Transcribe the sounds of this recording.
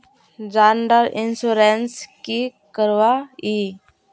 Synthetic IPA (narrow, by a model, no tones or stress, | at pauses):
d͡ʒaɳɖəɾɪnsuɾenskikəɾʋai